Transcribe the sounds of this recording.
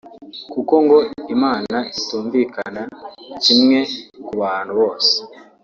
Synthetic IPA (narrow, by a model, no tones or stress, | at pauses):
kuko̞ŋɡo̞imaːnaituːɱvikanacimŋe̞kuβaːn̥huβo̞ːse̥